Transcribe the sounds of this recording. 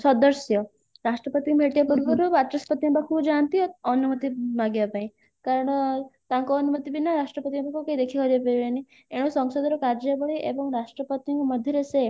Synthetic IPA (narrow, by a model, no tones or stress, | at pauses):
sɔd̪əɾsjɔ | ɾasʈɾəpət̪ikbʱeʈijapuɾbuɾubat̪ɾɔspət̪iãbakʰubd͡ʒant̪iɔɔnumət̪imaɡjapaĩ | kaɾəɽ̃t̪ãŋkɔːnumət̪ibʱinaɾaʂʈɾəpət̪iãbakukaid̪ekʰikɔɾepeɾeni | eɽ̃usɔŋsɔd̪ɔɾɔkaɾd͡ʒjabɔɭiʔebɔŋɾasʈɾəpət̪ijŋkməd̪ʱjəɾese